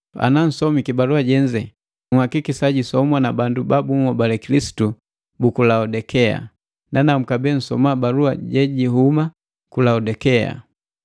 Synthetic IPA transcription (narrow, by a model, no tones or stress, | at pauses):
a̰nan̩sɔmikibaluaɟɛɲd͡ʒɛ | ŋuhakikisaɟisɔmwanabandubabuŋɔbalɛkilisi̥tu | bukulaɔdɛkɛa̰ | nanam̩kabɛn̩sɔ̰mabalua̰ɟɛɟiɦuma | kulaɔdɛkɛa̰